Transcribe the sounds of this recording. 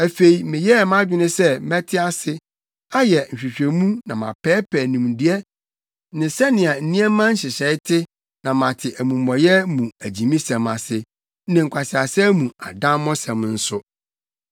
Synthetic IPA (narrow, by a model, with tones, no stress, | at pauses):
æ˨fe˨i˨mɪ̃˨jɛ˦˨mã˦d͡ʑᶣɪ˦nɪ̃˦sɛ˦mɛ̃˦tʰɪ˦a˦sɪ˦ | a˦jɛ˨n̩˨ɕᶣi˨ɕᶣe˨mũ˦nã˨mã̰˨pʰɛː˦pʰɛː˨nũ˨mdɪ˦ɛ˦ | nɪ̃˨sɛ˦nɪ̃˨a˨n̩˨nĩ˦ɛ˦mã˦n̩˦ɕɪ˨ɕɛ˨ɪ˦tʰɪ˦ | nã˨mã˨tʰɪ˨ʔæ˨mũ˨mː˨ɔ̃˨jɛ˦mũ˨æ˨d͡ʑĩ˨mĩ˦sɛ̃˨ma˨sɪ˦ | nɪ̃˨ŋ̩˨kʷʰa˨sɪ˨a˨sɪ˦æ˦mũ˨a˨dã˦m˦mɔ̃˦sã˨mn̩˦sʊ˦